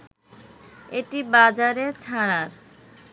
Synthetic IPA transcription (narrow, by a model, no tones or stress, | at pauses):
eʈibad͡ʑaɾet͡ɕʰaɽ̃aɾ